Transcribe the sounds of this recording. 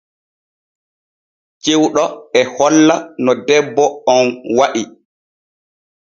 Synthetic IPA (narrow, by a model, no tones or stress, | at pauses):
t͡ʃewɗɔɛhɔlːanɔdɛbːɔɔnwaɗi